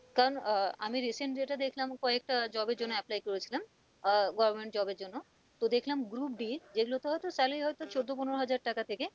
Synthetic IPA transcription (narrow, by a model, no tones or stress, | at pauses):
kaɾonamiɾiseɳʈɾeʈad̪ekʰlamkɔek̚ʈad͡ʑɔbeɾd͡ʑonːoɛplajkoɾet͡ɕʰilam | ɡɔbɾmeɳʈd͡ʑɔbeɾd͡ʑonːo | t̪od̪ekʰlamɡɾup̚ɖid͡ʑeɡulot̪eɦɔjt̪osɛlijɦɔjt̪ot͡ɕod̪ːoponoɾoɦad͡ʑaɾʈakat̪ʰeke